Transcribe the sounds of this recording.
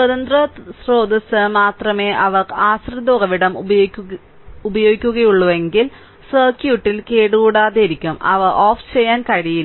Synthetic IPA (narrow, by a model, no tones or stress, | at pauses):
swɐðɐnd̪rɐsro̞ːd̪ɐsɐmaːt̪rɐme̞ːʔɐʋɐaːsrɨd̪oːɣɐʋiɽɐmɐ | ubɐjo̞ːɡikʲːuɣɐjuɭːuʋe̞ŋɡil | sɐːrkjuːʈːilkeːɽuɣuːɽaːðeiɾikʲːumɐ̰ʋɨʔoːft͡ɕejːaːnkɐɻijil